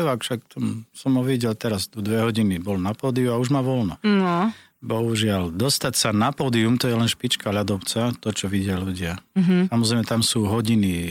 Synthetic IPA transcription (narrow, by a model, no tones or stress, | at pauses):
ɛakfʃak̚t̪ɔmsɔmɔʋiɟɛlt̪ɛɾazd̪ɔd̪ʋɛɦɔɟinibɔlnapɔːd̪iuauʒmaʋɔlnɔnɔ | bɔɦuʒɪald̪ɔst̪acsanapɔːd̪iumt̪ɔjɛlɛnʃpit͡ʃkaʎad̪ɔpt͡sat̪ɔt͡ʃɔʋiɟɪaluɟɪaɦsamɔzɾɛjmɛt̪amsuːɦɔɟini